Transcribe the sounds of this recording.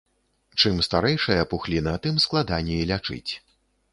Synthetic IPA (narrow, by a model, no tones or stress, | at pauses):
t͡ʂɨmst̪aɾɛjʂɐjɐpuxlʲinɐt̪ɨmsklˠad̪anʲɛilʲat͡ʂɨ̰t͡sʲ